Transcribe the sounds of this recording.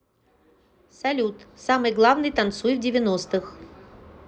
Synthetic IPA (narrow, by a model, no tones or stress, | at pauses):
sɐlʲut̪samɨjɡlˠavnɨjt̪ɐnt̪sujvdʲɪvʲɪnost̪ɨx